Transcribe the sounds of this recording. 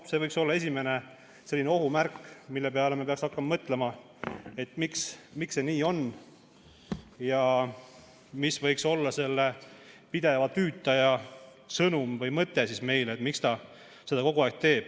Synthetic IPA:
se̞vɤjkso̞lːɑe̞s̬ʲime̞ne | se̞lːineo̞ɦumærkːˑmilːepe̞ɑlemepe̞ɑksɑkːɑmɑmɤt̪ˑle̞mɑ | e̞t̪ːmiksmiksːe̞niːo̞n | jɑ | misvɤjkso̞lːɑse̞lːepid̪̥e̞vɑt̪yːt̪ːˑɑjɑ | sɤnumvɤjmɤt̪ːˑe̞sisme̞jleːt̪mikst̪ɑ | se̞d̪̥ɑko̞ɡuɑek̚t̪e̞ːb̥

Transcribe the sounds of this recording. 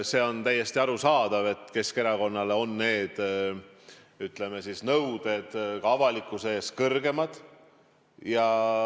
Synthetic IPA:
se̞ːo̞nt̪æjːe̞st̪iɑɾusɑːd̪̥ɑve̞t̪ˑke̞ske̞ɾɑko̞nːɑleo̞nːe̞ːd̪̥ | yt̪ˑle̞mesisnɤwd̪̥e̞d̪̥kɑɑvɑlikːˑuseeːskɤrɡe̞mɑd̪̥ | jɑ

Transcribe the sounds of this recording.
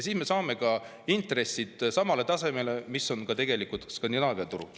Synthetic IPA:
siːsme̞sɑːme̞kɑ | int̪re̞sːid̪̥sɑmɑle̞t̪ɑse̞me̞le̞miso̞nkɑt̪e̞ɡ̥e̞likut̪skɑnd̪inɑːviɑt̪uɾṵ

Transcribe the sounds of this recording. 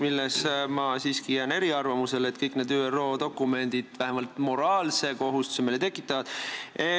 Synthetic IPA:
milːesmɑsiːskijæːne̞ɾiɑrvɑmuse̞let̪kɤjkːˑne̞ːd̪yːero̞ːd̪o̞kːˑume̞nd̪̥id̪̥væɦemɑlt̪mo̞ɾɑːlse̞ko̞ɦust̪u̥semilet̪e̞kːˑit̪ːˑɑvɑd̪̥e

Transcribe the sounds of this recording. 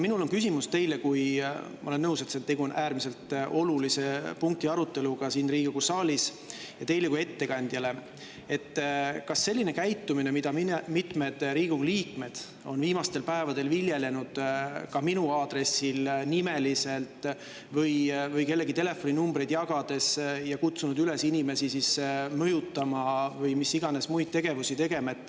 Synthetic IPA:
minulo̞nkys̬ʲimust̪e̞jle̞kujmɑ̰o̞le̞nːɤwse̞t̪set̪e̞ɡ̥uo̞nʔæːɾmise̞lt̪ʔo̞lulise̞puŋk̚t̪iɑɾut̪ːe̞luɡ̥ɑsiːnriːɡ̥uɡusɑːlʲis | jɑt̪e̞jle̞kue̞t̪ːe̞kɑnʲd̪̥jɑle̞ | e̞t̪ːkɑsːe̞lʲːine̞kæjt̪ːumine̞mid̪ɑmimit̪ˑme̞d̪̥ɾiːɡ̥uɡliːkme̞d̪̥ | o̞̰nviːmɑst̪e̞lpæevɑd̪e̞lviljele̞nud̪̥kɑminuɑːd̪̥ɾe̞silnime̞lise̞lt̪ | vɤjvɤjke̞lːeɡit̪e̞le̞fo̞nʲinumbrejd̪̥jɑɡ̥ɑd̪̥e̞sjɑkut̪sunud̪yle̞sinʲime̞sisismɤjut̪ːˑɑmɑvɤjmisːiɡ̥ɑne̞smujt̪̚t̪e̞ɡ̥e̞vusit̪e̞ɡ̥e̞mɑet̪ːˑ

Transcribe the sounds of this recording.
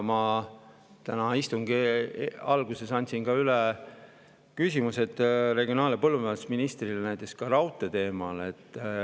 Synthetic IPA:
mɑ | t̪ænɑist̪uŋɡ̥i | ɑlɡuse̞sɑnʲt̪ʲsiŋɡ̥ɑyle | kysʲimuse̞t̪ːˑre̞ɡio̞nɑːlepɤlːumeːsminist̪rilenæjt̪ːˑe̞kskɑɾɑwt̪ːˑet̪e̞ːmɑle̞t̪ːˑ

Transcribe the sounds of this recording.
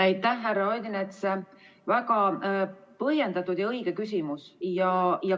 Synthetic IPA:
æjt̪ːˑæhːærːɑojd̪inet̪se | væɡɑ | pɤɦje̞nd̪ɑt̪ːˑud̪̥jɑɤiɡ̥e̞kys̬ʲimusjɑjɑ

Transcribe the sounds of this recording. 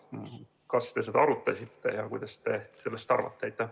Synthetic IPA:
kɑst̪e̞s̬ed̪ɑɑɾut̪ːˑɑsʲit̪ːe̞̰jɑkujd̪̥ɑst̪e̞selːest̪ɑ̰ɾvɑ̰t̪ːˑeejt̪ːˑæ

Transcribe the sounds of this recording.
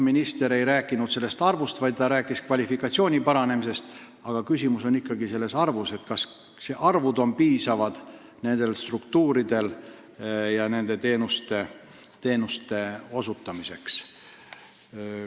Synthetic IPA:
minist̪e̞ɾe̞jɾæːkːˑinud̪̥se̞lːe̞st̪ɑrvust̪vɑjd̪̚t̪ɑɾæːkːˑiskvɑlʲifikːˑɑt̪sio̞ːnʲipɑɾɑne̞mise̞st̪ | ɑɡ̥ɑkysʲimuso̞nikːˑɑɡise̞lːe̞sɑrvuse̞t̪kɑs | seʔɑrvud̪o̞mpiːsɑvɑd̪̥ | ne̞nd̪̥e̞lst̪rukt̪uːɾid̪e̞l | jɑne̞nd̪̥e̞t̪e̞ːnust̪e̞ | t̪e̞ːnust̪e̞o̞sut̪ˑːɑmise̞ks

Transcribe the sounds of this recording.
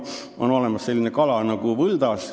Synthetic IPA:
ʔo̞no̞le̞mɑsːe̞lːinekɑlɑnɑɡ̥uʋɤld̪̥ɑs

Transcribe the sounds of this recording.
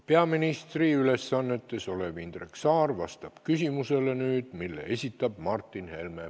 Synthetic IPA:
pe̞ɑminist̪riyle̞sːɑnːe̞t̪ːˑe̞so̞le̞vind̪̥reksɑːrvɑst̪ɑb̥kysimuse̞le̞nyːd̪̥milːḛesʲit̪ːˑɑb̥̚mɑrt̪ːˑinhe̞lme̞

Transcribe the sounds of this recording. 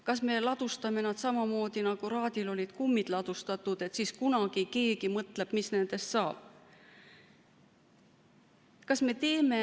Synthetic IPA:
kɑsme̞lɑd̪̥ust̪ɑme̞nɑd̪̥sɑmɑmo̞ːd̪̥inɑɡ̥uɾɑːd̪̥ilo̞lʲid̪̥kumːid̥̪lɑd̪̥ust̪ɑt̪ˑːud̪̥e̞t̪siskunɑɡ̥ike̞ːɡimɤt̪le̞b̥misne̞nd̪̥e̞st̪sɑːb̥̚ | kɑsme̞t̪e̞ːme̞

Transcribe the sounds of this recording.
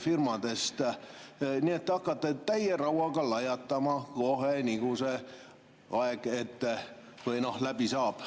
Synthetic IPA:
firmɑd̪est̪ | niːet̪ːeɑkːɑt̪ːet̪æjerɑuwɑɡɑlɑjɑt̪ːɑmɑkohenikuse | ɑeɡ̥et̪ː | ʋɯinohlæb̥isɑːp

